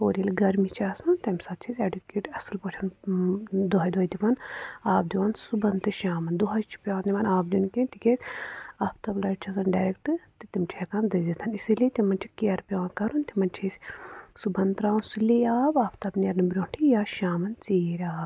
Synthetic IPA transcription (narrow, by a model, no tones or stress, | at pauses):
oːɾilɡɐɾmit͡ʃʰaːsɐnt̪ɐmʲsɐt̪̚t͡ʃʰisʲeɖukeːʈɐsɨlpot͡ʃʰɐn | d̪oɦɐjd̪uɐjd̪ipɐnaːbd̪iʋansubɐnt̪ɨʃaːmɐnd̪oɦɐjt͡ʃʰi̥pʲjaːnd̪iʋɐːnaːb̚d̪ʲunkẽnt̪ikʲet̪ʲaːpʰt̪ɐblɐʈt͡ʃʰasɐnɖaːɾekʈɨt̪it̪imt͡ʃʰeːkaːnd̪ɐzit̪ʰɐnisilit̪imɐnt͡ʃʰikiɐɾpʲaːnkɐɾunt̪imɐnt͡ʃʰisʲsubɐnt̪ɾaːnsuliaːbaːpʰt̪ɐbnʲɐɾnɐbɾʲoːɳʈʰijaːʃaːmɐnt͡siːɾʲaːb